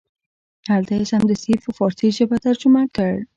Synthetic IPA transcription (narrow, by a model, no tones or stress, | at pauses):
alt̪asamd̪əsifofɔɾsiʒabat̪aɾd͡ʒʊmakəɽ